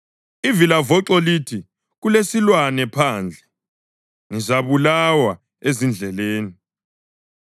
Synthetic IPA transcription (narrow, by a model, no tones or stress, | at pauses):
ivilavɔǀɔlitʰi | ɣulesilwanɛpʰaːnd͡ɮʱɛ | ŋizaβulawa | ezind͡ɮʱɛleːni